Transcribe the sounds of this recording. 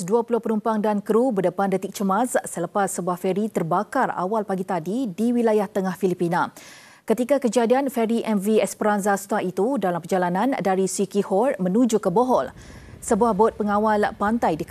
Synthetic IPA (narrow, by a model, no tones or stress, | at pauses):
duapulʊhpəɾumpaŋdankɾubədəpandət̪ik̚t͡ʃəmassələpasːəbuahfɛɾit̪ərbakara̰walpaɡit̪adidiwilajaht̪əŋahfilipina | kət̪ikakəd͡ʒadianfɛɾiʔɛnviɛspəɾanzast̪aʔit̪udalampərd͡ʒalanãndaɾisikihɔrmə̃nud͡ʒukəboɦɔl | səbuahbɔt̪̚pəŋawalpant̪ajdik